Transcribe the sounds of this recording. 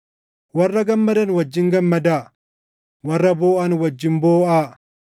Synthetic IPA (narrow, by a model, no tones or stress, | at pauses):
wɐrːɐɡɐmːɐd̪ɐnwɐd͡ʒːɪŋɡɐmːɐd̪aː | wɐrːɐboːʔɐnwɐd͡ʒːɪmboːʔaː